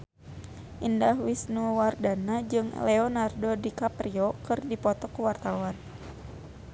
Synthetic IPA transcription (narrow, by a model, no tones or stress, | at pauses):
ʔindahwisnuwardanad͡ʒɨŋlɛɔnardodikapɾiɔkɨrdipɔt̪ɔkuwart̪awan